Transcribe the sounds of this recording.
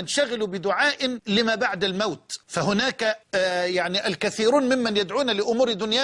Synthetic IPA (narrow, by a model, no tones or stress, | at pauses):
ɪnʃaɣɪlubɪd̪ʊʕaːʔɪnlɪmaːbaʕd̪almawt̪fahʊnaːkajaʕniʔalkaθiːɾuːnmɪmːanjad̪ʕuːnalɪʔʊmuːɾd̪ʊnjaː